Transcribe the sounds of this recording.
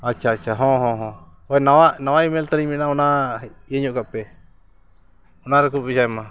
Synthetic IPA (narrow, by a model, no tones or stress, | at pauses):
at͡ʃat͡ʃaɦõɦõɦõ | penãwãnããimẽlt̪ɾimĩnãunãeɲũkape | unãɾekuβit͡ʃaemã